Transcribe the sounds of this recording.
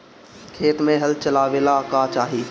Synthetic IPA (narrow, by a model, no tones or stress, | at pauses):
kʰeːʈmẽɦɐlt͡ʃɐlaːʋeːlakat͡ʃaːɦiː